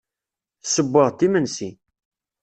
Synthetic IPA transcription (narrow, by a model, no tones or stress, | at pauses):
səbːəʁt̪ːimənsi